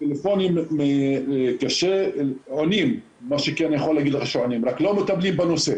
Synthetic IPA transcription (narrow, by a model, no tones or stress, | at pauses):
t̪elefonimekaʃeonimː | aʃekɛnjeχolːaɡid̪leχaʃeonimɾaklomet̪ablimbenose